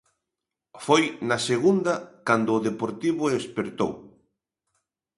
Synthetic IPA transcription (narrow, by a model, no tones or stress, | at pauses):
fojnɐseɣund̪ɐkand̪ʊːðepoɾt̪iβʊespeɾt̪o̰w